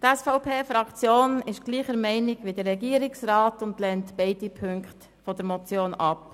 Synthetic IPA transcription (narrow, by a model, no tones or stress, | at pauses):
tɛsfɔʊpʰeːfɾɑkt͡sjoːnɪʃɡ̥liːχəɾmɛɪnɪɡʋidəɾːɛɡiːɾɪksrɑːtʊndlɛntb̥ɛɪd̥ipʰʏŋkχt | fɔd̥əɾmɔt͡sjoːnɑ̰p